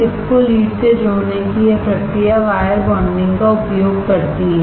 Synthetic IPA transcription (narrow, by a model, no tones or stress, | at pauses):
ɪskoliːʈsed͡ʒoːnekiepɾɐkɾijaʋaːjəɾbɐːɳɖɪ̃ŋɡkaʊpjoːɡkɐɾt̪iɦɛ